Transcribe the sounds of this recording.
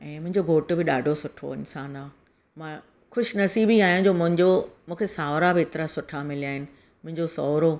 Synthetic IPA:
ɛ̃ːmʊ̃ɦɪ̃ɲd͡ʑoɡʱoːʈ̆bɪɗa̰ːɖʱosʊʈʰo̰ɪnsaːnaː | mãː | xʊʃnɐsiːbiaːɦijãd͡ʑoːmʊ̃ɦɪ̃ɲd͡ʑomũːkʰesaːʋɾabɪɪt̪ɪɾasʊʈʰamɪlijaːɦɪnɪ̆ | mʊ̃ɦɪ̃ɲd͡ʑosɔːɾo

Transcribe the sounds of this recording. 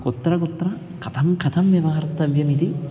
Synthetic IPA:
kot̪ːɾɐkot̪ːɾɐ | kʰɐt̪ʰɐmkʰɐt̪ʰɐmjɐʋɐːɐɾt̪ɐʋjɐmit̪i

